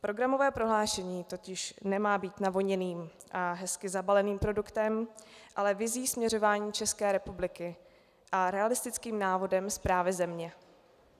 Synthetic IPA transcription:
pɾo̞ɡɾamo̞vɛːpɾo̞ɦlaːʃɛɲiːt̪o̞cɪʃnɛmaːbiːt̪navoɲɛniːmʔaɦɛskɪzabalɛniːmpɾo̞dukt̪ɛmʔalɛvɪziːsmɲɛɾo̞vaːɲiːt͡ʃɛskɛːɾɛpublɪkɪ | ʔaɾɛalɪst̪ɪt͡skiːmnaːvo̞dɛmspɾaːvɪzɛmɲɛ

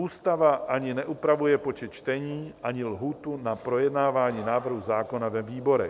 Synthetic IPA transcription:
uːst̪avaʔaɲɪnɛʔupɾavujɛpo̞t͡ʃɛt̪̚t͡ʃt̪ɛɲiːʔaɲɪlɦuːt̪unapɾo̞jɛdnaːvaːɲiːnaːvr̩ɦuzaːko̞navɛviːbo̞ɾɛ

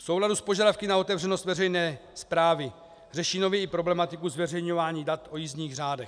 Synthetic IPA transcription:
fsowladuspo̞ʒadafkɪnao̞t̪ɛvrɛno̞st̪vɛrɛjnɛːspɾaːvɪ | r̝ɛʃiːnovjɛɪpɾo̞blɛmat̪ɪkuzvɛrɛjɲo̞vaːɲiːdat̪ʔo̞jizɲiːɣraːdɛx

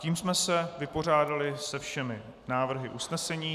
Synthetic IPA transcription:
ciːmsmɛsɛvɪpo̞r̝aːdalɪsɛfʃɛmɪ | naːvr̩ɦɪʔusnɛsɛɲiː

